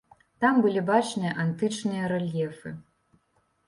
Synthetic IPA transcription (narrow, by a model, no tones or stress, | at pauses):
t̪ambɨlʲibat͡ʂnɨjɐʔant̪ɨt͡ʂnɨjɐɾɛlʲjɛfɨ